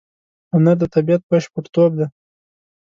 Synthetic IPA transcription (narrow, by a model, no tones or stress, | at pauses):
ʊnad̪ət̪abijat̪̚baʃpəɾt̪ob̚d̪a